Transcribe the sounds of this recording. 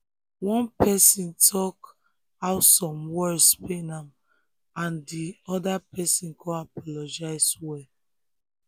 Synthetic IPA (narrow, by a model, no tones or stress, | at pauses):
wɔ̃npɛsĩntʰɔk | aʊsɔ̃mwɛspenãm | ãndiɔdapɛsĩnkʰɔ̃apɔlɔd͡ʒaɪswɛ